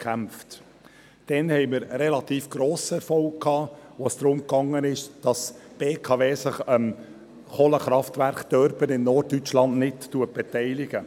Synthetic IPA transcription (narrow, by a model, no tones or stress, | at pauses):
kʰæmft | d̥ɛnhɛɪmɪɾɾɛlɑt̪iːfɡ̥ɾoːsəɛɾfɔlkkʰːɑːʋosd̥ɾʊmkɑŋːənɪʃd̥ɑsb̥eːkʰɑːveːsɪχəm | χoːləχɾɑftvæɾχd̪̥œɾbənɪnnɔrtːyt͡ʃlɑnnɪtːuət̚b̥ɛtɛɪlɪɡ̥ə